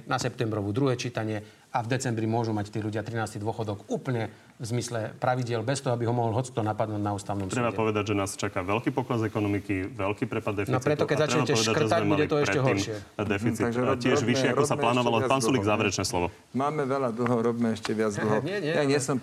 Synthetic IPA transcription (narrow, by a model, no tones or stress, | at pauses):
nasɛpt̪ɛmbɾɔʋuːd̪ɾuɦɛːt͡ʃiːt̪aɲɪɛ | avd̪ɛt͡sɛmbɾimʊɔʒumact̪iːluɟɪat̪ɾinaːst̪id̪ʊɔxɔd̪ɔkuːpəɲɛ | vzmislɛpɾaʋiɟɪɛlbɛst̪ɔɦɔabiɦɔmɔɦɔlɦɔt͡si̥t̪ɔnapad̪nuːɟnauːst̪aʊnɔmst̪ɾɛbaɛpɔʋɛd̪aɟʒɛnaːst͡ʃakaʋɛlkiːpɔklazɛkɔnɔmikiʋɛlkiːpɾɛpad̪ːɛfnɔpɾɛt̪ɔkɛzaɾt͡ʃɛɲɛaɛɔʃʋɛd̪akr̩ʒɛzamɛmudɛt̪ɔɛʃɾɛɛɦɔɾmʃɪɛd̪ɛfit͡siaʒcɪɛʒʋiʃɪɛakɾɔsalaːnɔʋalɔpaːnsuliɡzaːʋɛɾɛt͡ʃnɛːslɔʋɔ | maːmɛʋɛlad̪l̩ɦɔɾɔbimɛɛʃcɛʋɪad͡zd̪l̩ɦɔɲɪɛɲɛjaɲɪɛsɔm